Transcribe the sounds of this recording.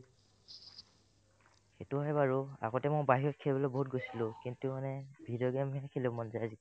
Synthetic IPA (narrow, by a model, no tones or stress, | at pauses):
xetuɛbaɹua̰ɡɔtɛmojbaɦiɹɔtkʰɛlbɔlɔboɦut̚ɡojsilʊ̃kintumanɛbʱidɔɡɛmɛkʰilɛ̃mɔnzɛazik